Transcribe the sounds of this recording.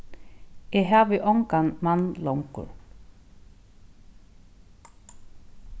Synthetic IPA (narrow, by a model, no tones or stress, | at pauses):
ɛɦaːvɪʔɔŋkanmanlɔwŋkʊ̰ɾ